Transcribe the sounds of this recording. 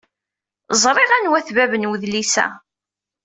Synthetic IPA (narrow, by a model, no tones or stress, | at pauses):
zˤɾˤɪʁænwæθvævənwəðlisæ̰